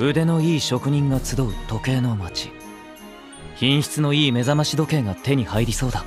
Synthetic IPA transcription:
ɯ̟d̪e̞no̞iːɕo̞kɯ̟ɲ̟ĩŋɡat͡sɨd̪o̞ɯ̟t̪o̞ke̞ːno̞mat͡ɕi̥ | çĩɰ̃ɕi̥t͡sɨno̞iːme̞zamaɕid̪o̞kẽ̞ŋɡat̪e̞ɲ̟ihaiɾʲiso̞ːd̪a

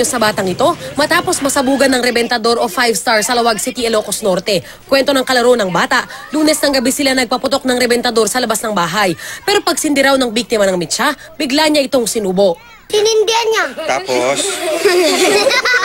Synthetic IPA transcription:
osɐbaːt̪ɐŋɪt̪o̞mɐt̪aːpo̞smɐsɐbuːɡɐnɐŋɾɛbɛnt̪ɐd̪o̞ɾofajvst̪aɹsɐlɐwaɡ̚sit̪iɛloːkosno̞ɾt̪ɛ | kwɛnt̪o̞nɐŋkɐlɐɾoʔnɐŋbaːt̪ɐʔluːnɛsnɐŋɡɐbɛsɪlanɐɡ̚pɐpʊt̪o̞k̚nɐŋɾɛbɛnt̪ɐd̪o̞ɾsɐlɐbasnɐŋbaːɦɐjpɛːɾo̞pɐɡ̚sɪnd̪ɪɾawnɐŋbik̚t̪ɪmɐnɐŋmɛt͡ʃa | bɪɡlaɲːaʔɪt̪o̞ŋsɪnuːbo̞ʔ | hɪnɪnd̪iɐnɲat̪aːpos

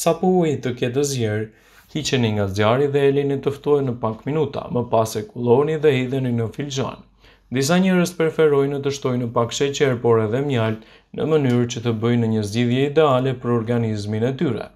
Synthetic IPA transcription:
sapəuit̪əkɛt̪̬əzjɛɾ | hit͡ʃɛniŋɡazjaɾiðɛɛlinit̪əft̪ɔjnəpakminut̪a̰məpasɛkulˠɔniðɛɦiðəninəfild͡ʒa̰n | d̪is̬aɲɛɾəst̪̚pɛɾfɛɾɔjnət̪əʃt̪ɔjnəpakʃɛt͡ɕɛɾpɔɾɛðɛmjalt̪ | nə̰mənyɾt͡ɕət̪əbəjnəɲəzd͡ʑiðjɛid̪ɛalɛpəɾɔɾɡanizminɛt̪yɾɛ̰

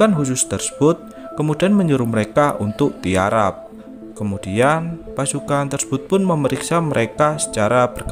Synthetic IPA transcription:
anɦusʊst̪ərsə̥b̥ʊt̪̚ | kəmudianməɲuɾʊməɾekaʔṵnt̪ʊk̚t̪ia̰ɾa̰p̚ | kəmudianpasukant̪ərsə̥b̥ʊt̪̚pʊnməməɾiksaməɾʔekasə̥t͡ʃaɾab̥ərɡ

